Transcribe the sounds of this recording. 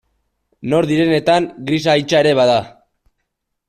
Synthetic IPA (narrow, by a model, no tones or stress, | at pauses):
no̞ɾðiɾe̞ne̞t̪aŋɡɾis̬ajt͡ʃaeɾe̞β̞aða